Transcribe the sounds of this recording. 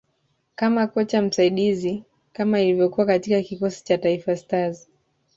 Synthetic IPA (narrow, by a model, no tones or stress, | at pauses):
kamakɔt͡ʃam̩saiɗizi | kamailivjɔkuwakatikakikɔsi̥t͡ʃataifastazi